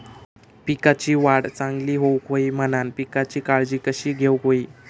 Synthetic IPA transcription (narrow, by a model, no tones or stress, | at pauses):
pikat͡ɕiːʋaɽt͡sãŋɡliːɦowkoiːmənanpikat͡ɕiːkaɭd͡ʑiːkəɕiːɡʱewkoiː